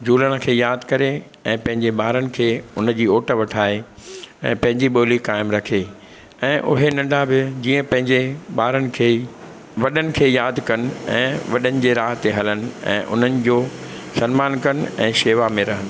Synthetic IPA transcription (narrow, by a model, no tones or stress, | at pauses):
d͡ʑuːləɽ̃ə̆kʰeːjaːd̪ʱkɐɾe | ɛ̃ːpɐ̃ɦɪ̃ɲd͡ʑeɓaːɾənɪ̆kʰeːʊnəd͡ʑiːoːʈəʋɐʈʰaːeɛ̰̃ːpɐ̃ɦɪ̃ɲd͡ʑiɓoːlikaːɪmɾɐkʰe | ɛ̃ːʔʊ̰ɦenɐ̃ɳɖabɪd͡ʑiːə̃pɐ̃ɦɪ̃ɲd͡ʑeɓaːɾənɪ̆kʰeː | ʋɐɗənɪ̆kʰeːjaːd̪ʱkɐnɪ̆ɛ̰̃ːʋɐɗənɪ̆d͡ʑeːɾaːɦt̪eɦɐlənɪ̆ɛ̰̃ːʔʊ̰n̤ənɪ̆d͡ʑoː | sɐnmaːnkɐnɪ̆ɛ̰̃ːʃeːʋamẽɾɐɦənɪ̆